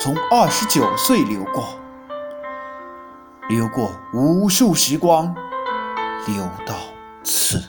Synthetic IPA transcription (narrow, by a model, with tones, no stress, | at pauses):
t͡sʰʊ˧˥ŋɐ˥˩ʂɻ̩˧˥t͡ɕjo˨˩ʊswe˥˩ɪljo˧˥ʊkwɔ˥˩ | ljo˧˥ʊkwɔ˥˩u˧˥ʂu˥˩ɕi˧˥kwɑ˥ŋ | ljo˧˥ʊt̪ɑ˥˩ʊ | t͡s̩ʰ˥˩